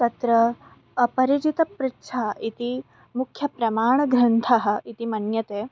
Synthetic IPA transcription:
t̪ɐt̪ɾɐː | pɐɾit͡ʃit̪ɐpɾɪtːʃʰaːɐʔit̪i | mukʰjɐpɾɐmaːɳ̃ɐɡɾɐnt̪ʰɐɦɐ̆it̪imɐnjɐt̪eː

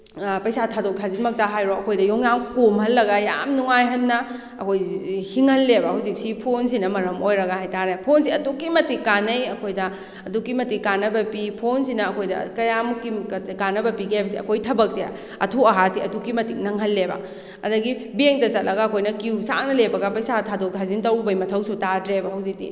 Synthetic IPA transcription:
pɐjsatʰadok̚tʰazinmɐk̚taɦajɾoɐkʰojdɐjɔŋjaŋkomɦɐlːɐɡɐja̰mnuŋajɦɐnːɐ | ɐkʰojhiŋhɐlːebɐhawzik̚sipʰons̬inɐmɐɾɐmojɾɐɡahajtaɾepʰonsiɐdukːimɐtikːanɐjɐkʰojdɐː | dukːimɐtikːanːɐbɐpipʰonsinɐːkʰojdɐ̰kɐjamukːikanɐbɐpiɡajbɐsiɐ̰kʰojtʰɐbɐk̚si | ɐ̰tʰuɐɦasiɐtukːimɐtik̚nɐŋɦɐlːebɐ̰ | ɐ̰dɐɡibieŋtɐsɐt̚lɐɡɐɐkʰojnɐkiwsa̰ŋ̚nɐlebɐɡɐpɐjsatʰadok̚tʰazintɐwbɐjmɐtʰɐwsutatɾebɐɦɐwzik̚dḭ

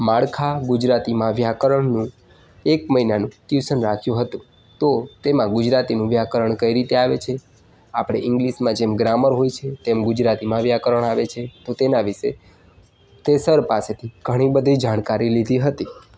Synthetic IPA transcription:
mãɭkʰaɡud͡ʒɾat̪imãʋjakəɾəɳnũ | ekməinanũkjusənɾakʰjũɦət̪ũ | t̪ot̪emãɡʊd͡ʒɾat̪inũʋjakəɾəɳkəiɾit̪eaʋet͡ʃʰe | apɽ̃eʔɪ̃ŋɡliʃmãd͡ʒemɡɾaməɾɦojt͡ʃʰet̪emɡʊd͡ʒɾat̪imãʋjakəɾəɳaʋet͡ʃʰet̪ot̪enaʋɪʃe | t̪esəɾpaset̪ʰiɡʱəɽ̃ĩbəd̪ʱid͡ʒaɽ̃kaɾilid̪ʱiɦət̪i

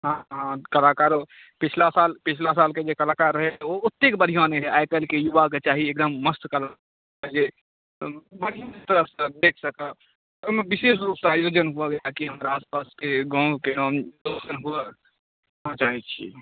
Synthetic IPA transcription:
ɦãɦãkəlakaɾo | pit͡ʃʰlasalpit͡ʃʰlas̬alked͡ʒekəlakaɾːəɦeout̪ːekbəd̪ʱijãneɦeajkəlkejuʋaket͡ʃaɦiek̚d̪əmːəst̪kəla | d͡ʒe | bəd̪ʱijãket̪əɾəsẽd̪ekʰsəkə | omẽbisesɾup̚t̪ajod͡ʒənɦuaɡakiɦəmɾaaːspaskeɡɔ̃kenomdosənɦuə | ɦãt͡ʃaɦit͡ʃʰḭ

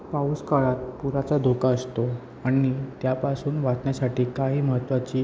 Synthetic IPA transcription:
pauskaɭat̪̚puɾat͡sad̪ʱokaəst̪o | aɽ̃it̪japasuːnʋat̪ɳjasaʈiːkaɦiːməɦət̪ːʋat͡ɕiː

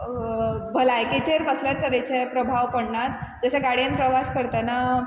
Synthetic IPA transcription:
bʱəlajket͡ɕeɾpəslat̪̚k̪əɾet͡ɕepɾəbʱaʋpəɽnat̪d͡zəɕaɡaɽjanpɾəʋaskəɾt̪ana

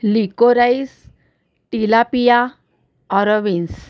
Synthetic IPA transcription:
likoɾais | t̪ilapija | ɔɾɔʋins

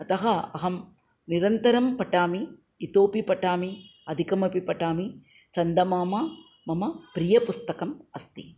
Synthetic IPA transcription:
ɐt̪ɐɦɐɐɦɐm | niɾɐnt̪ɐɾɐmpɐʈaːmiː | t̪oːpipɐʈaːmiɐd̪ʱikɐmɐpipɐʈaːmi | t͡ʃɐnd̪ɐmaːmɐ | mɐmɐpɾijɐpust̪ɐkɐmɐst̪ḭ

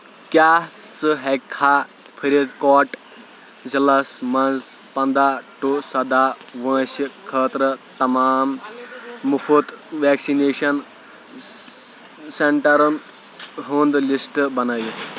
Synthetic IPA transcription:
kjaː | t͡sɨɦɛkʰːa | pʰɐɾʲid̪kɔːʈ | zɐlɐsmɐnzpɐnd̪aʈusɐd̪aʋɐ̃ːsikʰəːt̪ɾət̪ɐmaːmː | ufʰut̪ʋeːksineːʃɐn | seɳʈɐɾɐn | ɦund̪lisʈbɐnɐj

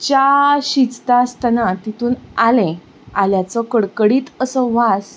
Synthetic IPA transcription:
t͡ɕaɕit͡st̪ast̪ənãt̪it̪uːnalẽ | aljat͡sɔkəɽkəɽiːt̪əsəʋas

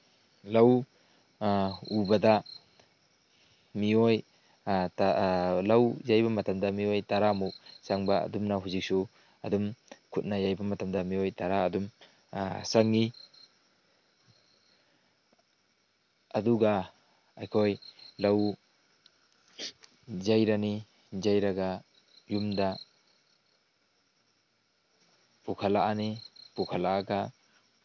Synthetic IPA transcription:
lɐw | ubɐdɐ | mioj | talɐwjajbɐmɐtɐmdɐmiojtaɾamusaŋbɐɐ̰dumnɐɦuzik̚su | ɐdumkʰut̚nɐjajbɐmɐtɐmdɐmiojtaɾaːdum | saŋːi | ɐduɡa | ajkʰojlɐw | zajɾani | zajɾaɡa | jumda | pukʰalaanipukʰalaːɡa

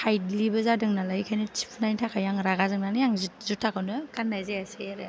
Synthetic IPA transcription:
hʰajdlibɐzadɯŋnalajkʰajnɯtʰi̥pʰnajntʰakʰajaŋɾaɡazɯŋnanɯjaŋzzutʰːakʰɯnɯkanːajzajaseɾɯ

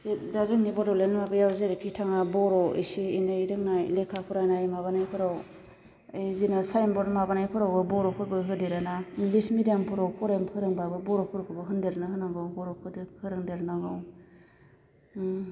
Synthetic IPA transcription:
sidazɯŋnibɔdɔlenmabɯjawzeɾipʰitʰaŋabɔɾɔḭsiinajɾɯŋnajlekʰapʰuɾajnajmaβanajpʰɯɾaw | ejzinasajnbɔɾmabanajpʰɯɾawbɯbɔɾɔpʰuɾbɯɦɯdeɾanaŋlismidijampʰuɾawpʰɔɾajmpʰɯɾɯŋbabɯbɔɾɔpʰɯɾkʰɯbɯɦɯndeɾnɯɦɯnaɡɯwbɔɾɔpʰɯdɯpʰɯɾɯŋdeɾnaɡɯw

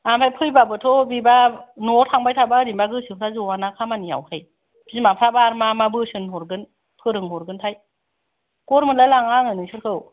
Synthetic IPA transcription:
ampʰajpʰɯjbabɯtʰɔbibanɔtʰaŋbajtʰabaɾimbaɡɯsɯpʰɾazuwanakʰamania̰whʰaj | bʰzimapʰɾabaɾmamabɯsɯnɦɔɾɡɯn | pʰɯɾɯŋhɔɾɡɯntʰaj | kɔɾmɯlalaŋaŋɯnɯsʰɯɾkʰɯw

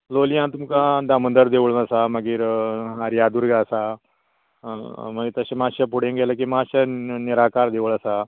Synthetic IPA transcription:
lolijãt̪umkãd̪amənd̪əɾd̪eʋɭnəsaməɡiːɾɦaɾjad̪uːɾɡasa | məɡit̪əɕamaɕapuɽ̤ẽŋɡʱelak̬imaɕaniɾakaɾd̪eʋəɭəsa

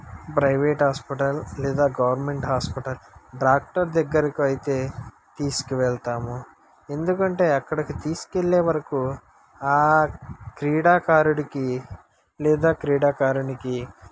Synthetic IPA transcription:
pɾɐjʋeːʈɦaːspiʈɐllɛːd̪aːɡɐʋɐɾme̞ɳʈɦaːspiʈɐlɖɾaːk̚ʈɐɾd̪ɛɡːɐɾikiɐjit̪e̞ː | t̪iːsu̥kiʋɛɭt̪aːmu | e̞nd̪ukɐɳʈe̞ːɐkːɐɽɐkit̪iːsu̥keɭːeːʋɐɾɐku | aː | kɾiːɽaːkaːɾuɽiki | lɛːd̪aːkɾiːɽaːkaːɾuniki

